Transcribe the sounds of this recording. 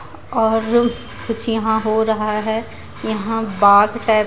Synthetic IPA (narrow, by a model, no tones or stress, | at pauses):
ɔːɾ | kʊt͡ʃʰjɐɦãɦoɾɐɦaɦɛ | jɐɦãbaːɡʈɛː